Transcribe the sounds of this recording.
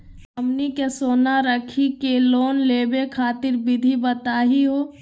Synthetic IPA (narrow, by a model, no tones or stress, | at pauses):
ɐmnikesoːnaɾəkʰikeloːnleːbekʰaːt̪ɪɾbɪd̪ʱibɐt̪aːɦiɦoː